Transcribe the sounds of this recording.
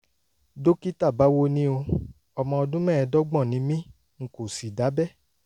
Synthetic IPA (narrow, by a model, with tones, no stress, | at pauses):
do˦ki˦ta˦˨ba˦wo˦nĩ˦o˧ | ɔ˧mɔ̃˧ɔ˧dũ˦mɛ̃˦˨ɛ˧dɔ˦ɡ͡bɔ̃˦˨nĩ˨˦mĩ˦ | ŋ̩˨ko˨si˨da˨˦bɛ˦˨